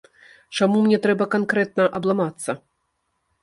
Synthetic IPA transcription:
t͡ʂamumnʲɛt̪ɾɛbɐkankɾɛt̪̚nɐʔɐblˠamat̪sːɐ

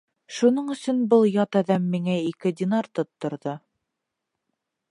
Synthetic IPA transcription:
ʃunɤɴɵ̆sɵnbɤlˠjɑt̪æðæmːiŋæikɘd̪ʲɪnart̪ot̪ːŏɾðo

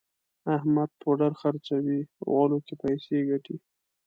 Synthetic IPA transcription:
ahmad̪̚pʰoɖaɾxaɾt͡sawiɣɑlokepajseɡaʈi

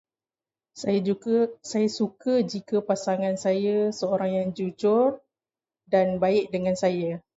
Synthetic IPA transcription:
sajsajasukəd͡ʒikəpasaŋãnsajəsəoɾaŋjaŋd͡ʒud͡ʒʊr | danbaɪk̚dəŋansaja

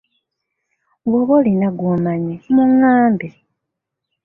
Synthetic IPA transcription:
ɡoβolinaɡumaɲemuŋaːmbe

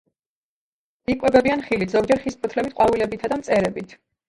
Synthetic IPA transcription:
ikʼwɛbɛbianχilit̪ʰz̥ɔɡ̚d͡ʒɛɾχispʰɔt̪ʰlɛbit̪̚ʰqʼwavilɛbit̪ʰad̪amt̪sʼɛɾɛbit̪ʰ

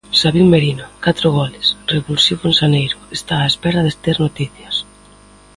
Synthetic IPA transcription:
saβiŋmeɾinakat̪ɾʊɣ̞ɔlɪsreβulsiβʊensanejɾʊest̪aːespɛɾaðest̪eɾnot̪iθjɐs

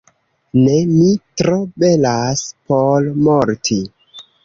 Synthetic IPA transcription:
nemitɾobe̞laspolmoɾtʰi

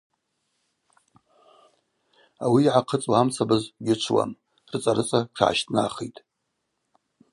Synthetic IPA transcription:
awiːʕaqʰət͡sʼwaamt͡sʰabazɡʲɪt͡ʃʷʰwa̰m | rɨt͡sʼaɾɨt͡sʼaʈ͡ʂʰʕa̰ʃtʰʼna̰χejtʼ

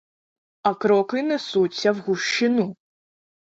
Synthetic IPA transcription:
ɐkɾɔkɨnɛsut͡sʲːɐwɣuʃt͡ʃɪnu

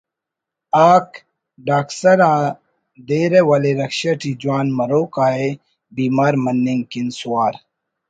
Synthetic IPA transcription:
aːk | ɖaːksɐɾãː | d̪eːɾewɐleɾɐkɕɐʈid͡ʒuwaːnmɐɾoːkaːe | biːmaːɾmɐnːiŋkinsuwaːɾ

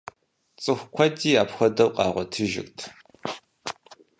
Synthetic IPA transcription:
t͡sʼɨxʷkʷʰɐdiːaːpxʷɐdɐwqʼɑːʁʷɔtʰɨʒɪ̰ktʰ

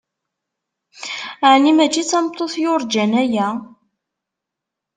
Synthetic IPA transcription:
ʕnimæt͡ʃːit͡sːɑmt̪ˤːoθjʊɾd͡ʒænæjæ

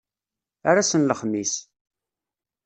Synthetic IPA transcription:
aɾasənləχmis

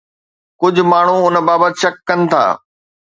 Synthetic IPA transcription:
kʊd͡ʑʱʊ̆maːɳ̤uʊnbaːbət̪ʃɐkːɐnɪ̆t̪ʰa̰ː

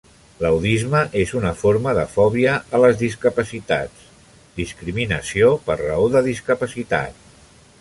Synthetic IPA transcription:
ləwðizməʔezunəfoɾməðəfɔβiəːləzðis̬kəpəsit̪a̰t͡s | d̪iskɾiminəsiopərrə̰oðəðiskəpəsit̪a̰t̪̚

